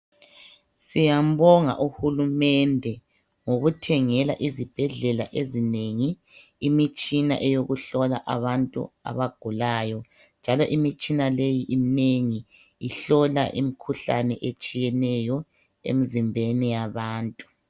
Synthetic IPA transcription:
sijam̩βɔŋa̰ʔuhulumɛndʱɛ | ŋoɣutʰɛŋɛlaʔizib̥ʱɛɮɛla̰ʔezineŋiː | mit͡ʃʼina̰ʔɛjoɣuɬɔlaʔaβantʼṵa̰βaɡ̥ʱulaːjɔ | nd͡ʒʱalɔʔimit͡ʃʼinalejiʔineŋi | iɬɔlaʔḭmikʰuɬa̰nɛʔet͡ʃʼijɛnɛjɔ | ḛmizimbʱenijaβaːntʼu̥

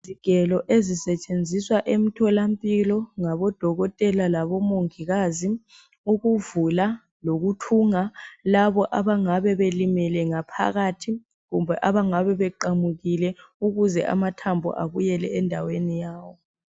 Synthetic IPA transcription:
ziɡ̥ʱɛlɔʔezisɛt͡ʃʼend͡zʱiswaʔem̩tʰɔlam̩pʼilɔŋaβɔd̥ʱɔɣɔtʼɛlalaβɔmoŋiɣaːzi | uɣuvula | loɣutʰuŋalaβɔʔaβaŋaβɛβelimɛlɛŋapʰa̰ɣaːtʰi | ɣumbʱɛʔaβaŋaβɛβɛǃamuɣilɛuɣuzɛ̰ʔa̰matʰambʱɔ̰ʔa̰βujɛlɛɛndʱawenijaːwɔ

